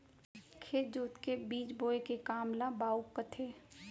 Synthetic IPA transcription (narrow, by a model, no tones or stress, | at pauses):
kʰeːt̪d͡ʒuːt̪kebiːt͡ʃboːekekaːmlabaːukːət̪ʰeː